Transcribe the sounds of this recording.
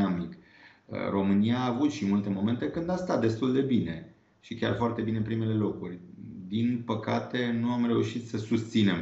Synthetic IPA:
amik | ə̰ro̞mɨniaːvut̪ʃimult̪e̞mo̞me̞nt̪e̞kɨnd̪ast̪at̪̚d̪e̞st̪uld̪e̞bine̞ | ʃikʲa̰rfoart̪e̞binepɾime̞le̞lo̞kurʲd̪inpəkat̪e̞nuamre̞uʃit̪səsust̪sine̞m

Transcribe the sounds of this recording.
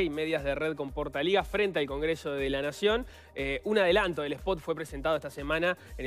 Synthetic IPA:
ime̞ðjazð̞ereðko̞mpoɾt̪aliɣafɾe̞nt̪ealko̞ŋɡɾeso̞ðelanasjo̞n | eunaðelant̪oðelehpot̪fwe̞pɾese̞nt̪aðoeht̪asemanaen

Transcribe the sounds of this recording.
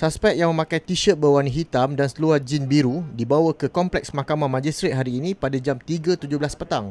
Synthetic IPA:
saspɛk̚jaŋmə̃mãkajt̪iʃət̪̚bəwaniɦit̪amdansəluad͡ʒinbiɾudibawakəkɔmplɛksmakamãmãd͡ʒist̪ɾet̪̚ɦaɾiːnĩpadad͡ʒamt̪iɡat̪ud͡ʒʊhblaspət̪aŋ

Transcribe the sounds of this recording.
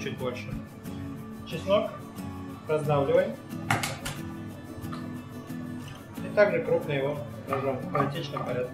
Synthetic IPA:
t͡ɕut̚ʲbo̞lʲʂɨ | t͡ɕɪsnok | ɾɐzd̪avlʲɪvəjm | it̪aɡʐɨkɾupnɨjɪvo | nɐʐompɐlʲɪtʲit͡ɕnɨmpɐɾʲat̪̚kʲ

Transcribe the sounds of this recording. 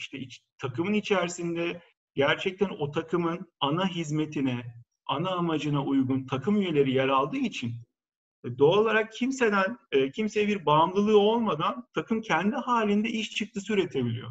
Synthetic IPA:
iʃt̪ʰɛit͡ʃt̪ʰakɯmɯnit͡ʃʰæɾsind̪ɛ | ɟæɾt͡ʃʰɛc̚t̪ʰæno̞t̪ʰakʰɯmɯnanaɦizme̞t̪ʰinɛ | anaːmad͡ʒɯnaujɡunt̪ʰakɯmyje̞lʲe̞ɾijaɾalˠd̪ɯːit͡ʃʰin | d̪o̞ːlˠaɾak̚cʰimse̞d̪ænːcʰimse̞jɛbiɾbamlˠɯlˠɯːo̞lˠmad̪ant̪ʰakɯmcʰɛnd̪ihaːlʲind̪ɛʔiʃt͡ʃʰɯk̚t̪ʰɯsyɾe̞t̪ʰe̞bilʲḭjo̞̰

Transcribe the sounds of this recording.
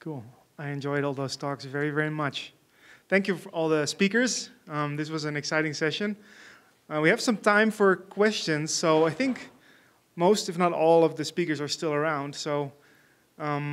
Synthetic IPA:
kʰulˠ | aɪɨ̃nd͡ʒɔɪɾɔlˠðoʊz̥tʰɔksvɛɹivɛɹimʌt͡ʃ | θæ̃ŋkjɨfə˞ʔɔlˠðəspikə˞z̥ʌ̃mðɪs̬wʌzɨ̃nɨksaɪɾɪ̃ŋsɛʃɨ̃n | wiɨv̥sʌ̃mtʰãɪ̃ɱfə˞kʰw̥ɛst͡ʃɨ̃nz̥soʊaɪθɪ̃ŋk | moʊstɨfnəɾɔlˠʌvðɨspikə˞zə˞stɪlˠə˞ãʊ̃nd̥soʊ | ʔʌ̃m

